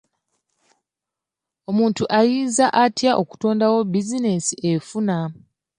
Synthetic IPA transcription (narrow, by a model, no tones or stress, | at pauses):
o̞muːntuʔajiːzaʔatjaʔo̞ku̥to̞ːndawo̞bizine̞siʔefuna